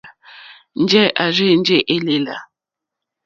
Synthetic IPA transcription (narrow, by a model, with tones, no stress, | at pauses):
n̩˦d͡ʒɛ˦ʔa˨ɾe˦˨n̩˦d͡ʒe˦ʔe˦le˦la̰˨